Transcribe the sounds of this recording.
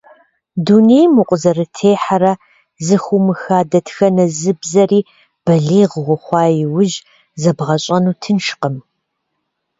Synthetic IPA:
dunejmʊqʷʼʊzɐrɨtʰeːħaɾɐ | zɨxʷumɨxaːdɐtʰxɐnɐzɨbzɐriː | b̥ɐɮiːʁʁʷʊχʷɑːjɪwʊʒ | zɐbʁɐɕʼɐnuːtʰɨnʃqəm

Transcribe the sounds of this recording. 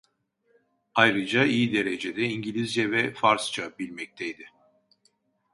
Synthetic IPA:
ajɾɯd͡ʒaijid̪e̞ɾed͡ʒed̪ɛiɲɟilʲizjɛvɛfaɾst͡ʃʰabilʲmɛc̚t̪ʰɛjd̪ɪ

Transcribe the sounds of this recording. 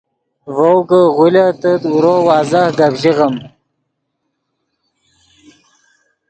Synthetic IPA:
vowɡəʁulat̪ət̪uɾowɑːzahɡabʑiʁəm

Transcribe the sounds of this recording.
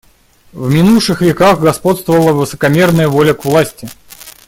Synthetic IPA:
vmʲɪnuʂɨxvʲɪkaxɡɐspo̞t̪st̪vəvəlˠəvɨsə̥kɐmʲe̞rnəjəvo̞lʲəkvlˠasʲtʲɪ

